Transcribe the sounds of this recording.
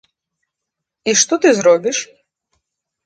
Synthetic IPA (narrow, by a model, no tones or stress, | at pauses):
iʃt̪ɔt̪ɨzɾɔbʲiʃ